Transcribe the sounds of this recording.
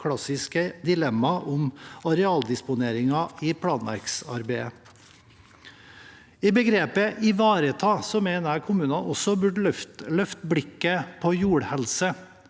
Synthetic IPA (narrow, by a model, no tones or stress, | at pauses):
kʰɽɑsɪskəd̪ɪlɛmːɑʔʊmɑɾɛɑːld̪ɪspʊneːɾɪŋɑiːpʰɽɑːnʋæ̰ɾksɑ̰ɾbeɪə | iːbəɡɾeːpəʔɪʋɑːɾət̪ʰɑːsɔmeɪnəækʰʊmʉːnɑnʔɔsɔbʉɖft̪lœft̪bɽɪkːəpʰoːjuːɽhɛlsə